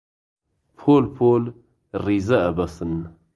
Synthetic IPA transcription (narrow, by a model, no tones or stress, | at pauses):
pʰoːlpʰoːl | riːzɛɛbɐsɨn